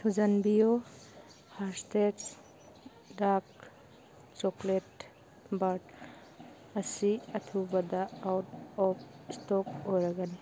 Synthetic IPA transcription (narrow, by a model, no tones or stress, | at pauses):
tʰud͡ʒanbijo | haɾstets | dak̚ | t͡ʃoklet | baɾd | ɐsiɐtʰubɐdaːwtɔp̚stɔkojɾɐɡani